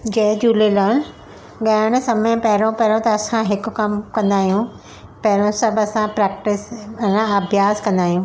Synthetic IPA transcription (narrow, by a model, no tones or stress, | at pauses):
d͡ʑed͡ʑuːlelɐːn | ɠaɽ̃sɐmẽpɐɦɪɾõpɐɦɾõt̪ɐːsãɦɪkʊkɐmkɐ̃nd̪aːɦijũ | pɐɦɪɾõsɐbɐsãpɾɛːk̚ʈɪsɐnãɐbʱjaːskɐ̃nd̪aːɦijũː